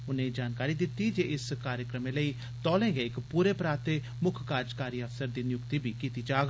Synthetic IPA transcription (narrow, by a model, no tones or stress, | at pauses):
ʊnẽːd͡ʒaːnkaːɾiːd̪ɪt̪ːid͡ʒeːʔɪskaːɾjəkɾəmẽləiː | t̪ɔːlẽːɡeːɪkpuːɾeːpɾaːt̪e | mʊkʰkaːd͡ʒkaːɾiəfsəɾd̪iːnɪjʊkt̪iːbʱiːkiːt̪iːt͡ʃaːɡ